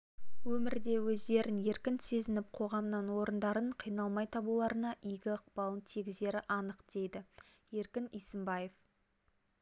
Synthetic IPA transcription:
wɵmɪɾd̪e̞wɵzd̪e̞ɾɪnje̞ɾkʲɪnse̞zɪnɪp̚qʰo̞ʁɑmnɑnwo̞ɾənd̪ɑɾəɴqʰijnɑlˠmɑjt̪ʰɑbulˠɑɾənɑʔijɡʲɪəq̚pɑlˠənt̪ʰiɡʲɪze̞ɾɪʔɑnəqd̪̥e̞jd̪ɪje̞ɾkʲɪnijsɪmbɑje̞f

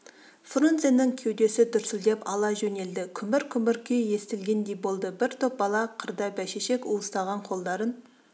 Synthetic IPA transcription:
front̪senːɪŋkʲʰewd̪e̞sɪd̪ʏɾsɪld̪e̞pɑlˠɑʒɵne̞ld̪ɪkʲʰʏmbɪɾkʲʰʏmɪɾkʲʰejje̞st̪ɪlɡʲe̞nd̪e̞jbo̞lˠd̪əbɪɾt̪ʰop̚bɑlˠɑqʰəɾd̪ɑbæʃeʃe̞kuəst̪ɑʁɑɴqʰo̞lˠd̪ɑɾən

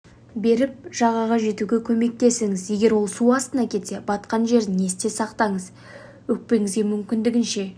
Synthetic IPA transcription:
be̞ɾɪp̚ʒ̥ɑʁɑʁɑʒe̞t̪uɡʲekʲʰɵme̞k̚t̪e̞sɪŋɪzje̞ɡʲe̞ɾwo̞lˠsuɑst̪ənɑkʲʰe̞t̪se̞bɑt̪qɑnʒe̞ɾd̪ɪne̞st̪e̞sɑqt̪ɑɴəz | wɵk̚pe̞ŋɪzɡʲe̞mʏmkʲɪnd̪ɪɡʲɪnʃe̞

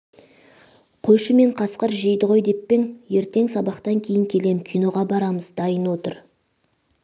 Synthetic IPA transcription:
qʰojʃəme̞ɴqʰɑsqəɾʒejd̪əʁo̞jd̪e̞pːe̞ŋje̞ɾt̪e̞ŋsɑbɑqt̪ɑŋkʲʰe̞jɪŋkʲʰe̞le̞mkʲʰijno̞ʁɑbɑɾɑməzd̪ɑjənwo̞t̪əɾ

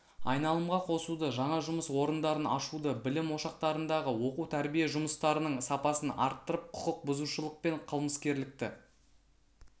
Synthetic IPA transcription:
ɑ̰jnɑlˠəmʁɑqʰo̞sud̪əʒɑɴɑʒʊməswoɾənd̪ɑɾənɑ̰ʃud̪əbɪlɪmwo̞ʃɑqt̪ɑɾənd̪ɑʁəwo̞qut̪ʰæɾbijeʒʊməst̪ɑɾənəɴsɑpɑsənɑ̰ɾt̪ːəɾəp̚qʰʊ̥qəq̚bʊzuʃəlˠəq̚pe̞ɴqʰəlˠməskʲe̞ɾlɪk̚t̪ɪ

